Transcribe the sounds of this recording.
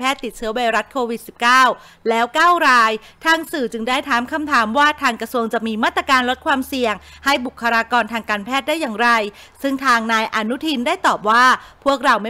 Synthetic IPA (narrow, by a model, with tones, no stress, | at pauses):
pʰɛː˥˩t̪ːi˨˩t̪̚t͡ɕʰɯ˦˥ɐwa˧jɾa˦˥t̪̚kʰoː˧wi˨˩t̪̚si˨˩p̚kaː˥˩w | lɛː˦˥wkaː˥˩wɾaː˧jt̪ʰaː˧ŋsɯː˨˩t͡ɕɯ˧ŋdaː˥˩jt̪ʰaː˩˦mkʰa˧˩mt̪ʰaː˩˦mwaː˥˩t̪ʰaː˧ŋkɾa˧su˧əŋt͡ɕa˨˩miː˧maː˥˩t̪ɾa˧kaː˧nlo˦˥t̪̚kʰwaː˧msi˨˩əŋha˥˩jbu˨˩kʰːa˧ɾaː˧kɔː˧nt̪ʰaː˧ŋkaː˧npʰɛː˥˩t̪̚daː˥˩jːaː˨˩ŋɾa˧j | sɯ˥˩ŋt̪ʰaː˧ŋnaː˧jʔa˧nu˦˥t̪ʰi˧ndaː˥˩jt̪ɔː˨˩p̚waː˥˩pʰu˥˩ək̚ɾa˧wma˥